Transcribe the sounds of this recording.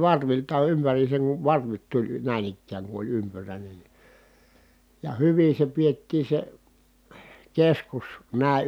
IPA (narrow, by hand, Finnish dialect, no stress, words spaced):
ʋɑrʋiltɑ ympæriːseŋ kuʋ ʋɑrʋit tulʲ næˑin ikːæːŋ ku olʲ ympyræˑinen ni jɑ hyʋin̞ se pietːiː se keskus næˑi̯